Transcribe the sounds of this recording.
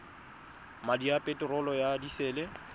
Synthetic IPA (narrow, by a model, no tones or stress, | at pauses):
madiapʼetʼɪrɔlɔjadiseːlɪ